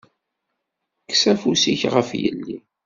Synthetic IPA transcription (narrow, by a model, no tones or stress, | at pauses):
kːsæfusiçʁəfjə̰lːi